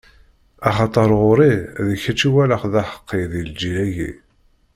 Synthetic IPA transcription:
ɑχɑt̪ˤəɾˤʁʊɾiðəçæt͡ʃːiwæləχðæħə̥qːeðild͡ʒilæʝḭ

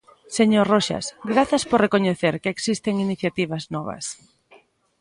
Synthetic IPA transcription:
seɲorɔʃa̰sɡɾaθɐspoɾrekoɲeθeɾkeeksist̪eŋiniθjat̪iβɐznɔβɐ̰s

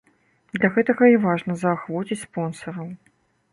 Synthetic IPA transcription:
d̪lʲɐɣɛt̪ɐɣɐivaʐnɐzɐːxvɔt͡sʲit͡sʲspɔnsɐɾɐw

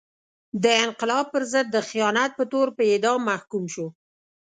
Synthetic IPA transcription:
d̪əɪnqɪlɑb̚pəɾzəd̪ːəxijɑnat̪̚pət̪oɾpəɪd̪ɑmːahkumʃu

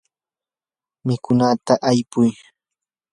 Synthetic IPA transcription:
mɪkʊnat̪aʔajpʊj

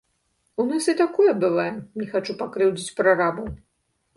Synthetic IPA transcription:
unasɨt̪akɔjɐbɨvajɛmnʲɛxat͡ʂupakɾɛwd͡zʲit͡sʲpɾarabɐw

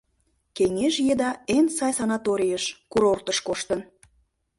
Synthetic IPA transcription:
keŋeʒjed̪ɑensɑjsɑnɑt̪oɾʲijəʃkuɾort̪əʃkoʃt̪ən

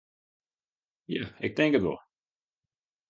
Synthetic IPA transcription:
jæɪk̚dɪ̃ŋkətwɪ̰lˠ

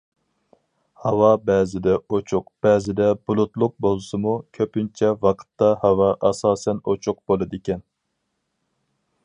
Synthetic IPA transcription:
hɑwɑbɛːzɪd̪ɛot͡ʃʰʊq̚b̥ɛːzɪd̪ɛbulˠut̪lˠʊq̚bolˠsɨmukʲʰøpynt͡ʃʰɛvɑqʰə̥t̪ːɑhɑwɑʔɑsɑːsɛnot͡ʃʰʊq̚b̥olˠɨd̪ɪkʲɛn

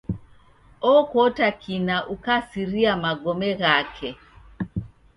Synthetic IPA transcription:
ɔkɔtakʰinaʔukasiɾiamaɡɔmɛɣakʰɛ

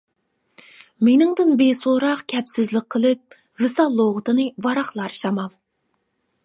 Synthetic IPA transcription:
menɪŋd̪ɨnbesoɾɑqkʲʰɛpsɪzlɪk̚ʲqʰəlˠɨp̚ | vɨsɑlˠːoʁət̪ʰɨnɨvɑɾɑχlˠɑɾʃɑmɑlˠ

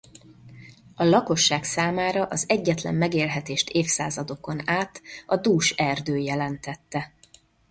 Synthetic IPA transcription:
ɒlɒko̞ʃːaːksaːmaːɾɒʔɒzɛɟːɛt̪lɛ̰mːɛɡeːlɦɛt̪eːʃt̪eːfsa̰ːzɒd̪o̞ko̞naːt̪ɒd̪uːʃɛrd̪øːjɛlɛnt̪ɛt̪ːɛ

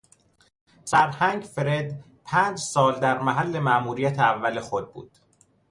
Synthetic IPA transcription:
sæɾhæŋɡfeɾe̞d̪ | pʰæːnd͡ʒsɒːld̪æɾmæɦælːe̞mæʔmuːɾijæt̪ʰeævːæle̞xo̞d̪̚bṵːd̪̥

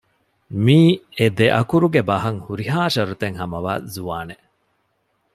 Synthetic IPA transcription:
miːed̪eʔɐkuɾuɡebɐɦɐŋhuɾiɦaːʃɐɾut̪eŋhɐmɐʋa̰ːzuʋaːne

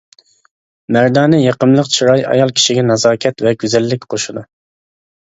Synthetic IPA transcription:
mæɾd̪ɑːnɨjeqəmlˠəqt͡ʃʰiɾɑjɑ̰jɑlˠkʲʰi̥ʃiɡʲɛnɑzɑːkʲʰɛt̪vɛɡʲyzɛlːɪkʲqʰoʃud̪u

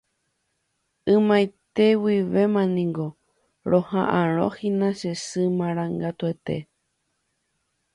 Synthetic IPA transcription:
ɨ̃mãjt̪e̞wiʋe̞mãnĩŋɡo | ɾõhãʔãɾ̃õ̰hĩnãʃesɨmãɾ̃ãŋɡat̪uet̪e̞̰

